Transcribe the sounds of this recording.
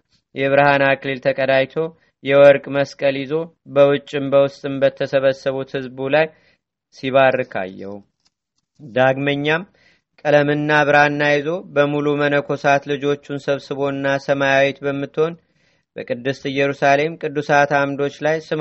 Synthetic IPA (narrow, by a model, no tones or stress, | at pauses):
jɛβɨɾhanaklilt̪ʰəkʼəd̪ajt̪ʰo̞ | jɛwɔɾkʼməskʼəljɪzo̞ | bəwʊt͡ʃʼːɨmbəwʊst̪ʼɨmbət̪ʰːəsəβəsːəβut̪hɨzbulaj | siβarːɨkʰa̰jːɛ̰wu | d̪aɡməɲːam | kʼələmɨnːaβɨɾhanːajizo̞bəmulumənəkʰo̞sat̪lɨd͡ʒo̞t͡ʃːunsəβsɨβo̞nːasəmajawɛt̪bəmːɨt̪ːho̞n | b̥əkʼɨd̪ːɨst̪ɨjɛɾusale̞mkʼɨd̪ːusat̪ʰamd̪o̞t͡ʃːlajsɨm